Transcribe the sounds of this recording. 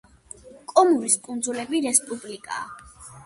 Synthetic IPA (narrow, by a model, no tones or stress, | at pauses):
kʼɔmuɾiskʼund̪zulɛbiɾɛspʼublikʼa̰ː